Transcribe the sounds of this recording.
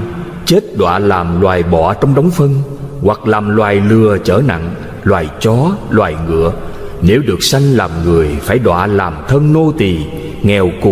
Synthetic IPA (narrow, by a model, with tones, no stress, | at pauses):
t͡ɕe˦˥t̚ɗwa̰ː˧˨laː˨˩mlwaː˨˩jɓɔ˧˨t͡ɕɔ˧wŋ͡mɗɔ˨˦wŋ͡mfə˧ŋ | wa˨˩k̚laː˨˩mlwaː˨˩jlɨ˨˩ət͡ɕəː˧˩na̰˧˨ŋ | lwaː˨˩jt͡ɕɔ˨˦lwaː˨˩jŋɨ̰˧˩˨ə | ne˨˦wɗɨ˨˩ək̚sa˧jŋ̟laː˨˩mŋɨ˨˩əjfaː˧˩jɗwa̰ː˧˨laː˨˩mt̪ʰə˧nːo˧t̪i˨˩ | ŋɛ˨˩wkʊ˨˩